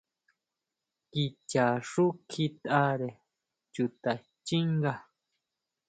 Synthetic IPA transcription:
ki˧t͡ʃa˨ʂu˦kʰi˧t̪a˧ɾe˨ | t͡ʃu˧˨t̪a˨ | t͡ʃi˦ŋɡa˧

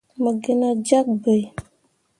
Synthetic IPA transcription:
mə˨ɡe˨na˨d͡ʒa˦k̚bə˨j

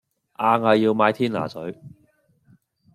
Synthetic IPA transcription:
ʔaː˧ŋhɐ˨jjiː˧wmaː˨˧jt̪ʰiː˥nla̰ː˨˩sɵ˨˥ɥ

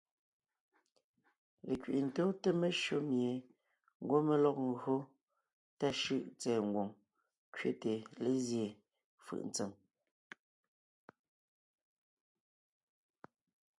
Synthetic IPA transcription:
le˨kɥḭ˨ʔn̩˨toː˦te˦me˦ʃo˦mje˨ | ŋ̩˨ɡwo˦me˦lɔ˦k̚ŋ˨ɣɰo˦ | ta˦ʃɯ˦˨ʔt͡sɛː˨ŋ̩˨ɡwo˨ŋ | kɥe˦te˨le˦zje˨ | fɯ̰˦˨ʔn̩˨t͡se˨m

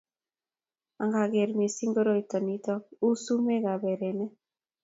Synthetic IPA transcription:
a˨ŋɡa˨ɡe˨ɾmi˨si˦ŋɡo˦ɾo˦i˨tɔ˨ni˦tɔ˦ku˦su˦me˦ɡa˨be˨ɾe˨nɛ˦

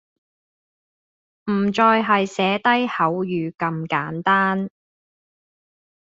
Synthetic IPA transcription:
m̩˨˩t͡ʃɔː˧jɦɐ˨jsɛː˨˥t̪ɐ˥jhɐ˨˥wjyː˨kɐ˧mkaː˨˥nt̪aː˥n

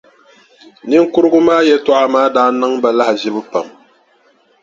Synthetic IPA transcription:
nɪ˦ŋ˦kʊ˦ɾɨ˦ɡʊ˦maː˦jɛ˦tɔ˦ʔa˦maː˦daː˦nɨ˦ŋba˨la˦hʒɪ˦bɨ˦pa˨m

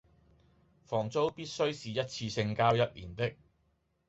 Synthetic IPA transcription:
fɔː˨˩ŋt͡so˥wpiː˥t̚sɵ˥ɥsiː˨jɐ˥t̚t͡sʰiː˧sɪ˧ŋkaː˥wjɐ˥t̚lḭː˨˩nt̪ɪ˥k̚

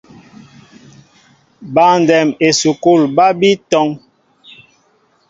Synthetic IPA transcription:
ba˨n˨dɛ˨me˨su˨ku˦˨lba˦bi˦tɔ˦ŋ

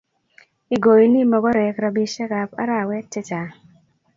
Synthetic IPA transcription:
i˨ɡo˨i˨ni˦mɔ˨ɡɔ˦ɾɛ˨kɾa˨bi˦ʃɛ˦ka˨pa̰˦ɾa˦˨wɛ˦tːɛ˦t͡ʃa˨

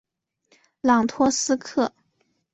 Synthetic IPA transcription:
lɑ˨˩ŋt̪ʰwɔ˥sɹ̩˥kʰɤ˥˩

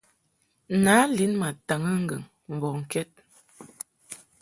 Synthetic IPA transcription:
na˨˦li˨˦nma˨ta˨ŋə˦ŋ̩˦ɡə˨ŋ | m̩˨bɔ˨ŋ̩˨kɛ˦t̚

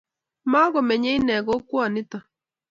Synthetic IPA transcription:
ma˦ɣɔ˨mɛ˨ɲe˦i˦nɛ˨ɣo˦kwɔ˨nɪ˦ta˨

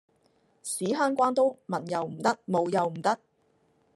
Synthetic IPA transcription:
siː˨˥ɦaː˥nkʷaː˥nt̪o˥wmɐ˨˩njɐ˨wm̩˨˩t̪ɐ˥k̚mo˨˧wjɐ˨wm̩˨˩t̪ɐ˥k̚

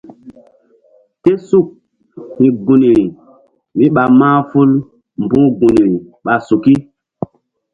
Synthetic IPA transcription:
te˦su˦˨k̚ | hĩ˨ɡu˨ni˨ɾi˨ | mi˦ɓa˨mãː˦fu˦l | m˨bũː˦ɡũ˨ni˨ɾi˨ɓa˨su˨ki˦

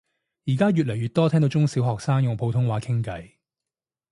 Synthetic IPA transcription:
jiː˨˩kaː˥jyː˨t̚lɐ˨˩jɥyː˨t̪ɔː˥t̪ʰɛ˥ŋt̪o˨˧wt͡ʃʊ˥ŋsiː˨˥wɦɔː˨k̚saː˥ŋjʊ˨ŋpʰo˨˧wt̪ʰʊ˥ŋwaː˨˥kʰɪ˥ŋkɐ˨˥j

